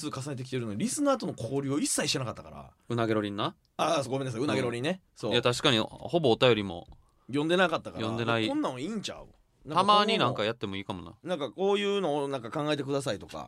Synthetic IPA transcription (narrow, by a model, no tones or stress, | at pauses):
sɨːkas̬ane̞t̪e̞k̬ʲi̥t̪e̞ɾɯnoiɾʲisɨnaːt̪o̞nokʰoːɾʲɨːo̞isːaiɕit̪enakat̪ːaka̰ɾa̰ | ɯ̟naɡe̞ɾo̞ɾʲĩnːa | asoɡomenasɨɯ̟naɡeɾoɾʲĩnːesoːjat̪aɕi̥kaɲ̟iho̞bo̞ːt̪ajo̞ɾʲimo̞̰ | jõnd̪e̞nakat̪ːakaɾjõ̞nd̪e̞naiõnːãiːɲt͡ɕa̰ɯ̰ | nãt̪amaːɲ̟inãŋkajat̪ːe̞mo̞iːkamo̞̰na̰nãŋkako̞ːjɯ̟ːno̞ːnãŋkakãŋɡae̞t̪e̞kɯ̟d̪asait̪o̞ka̰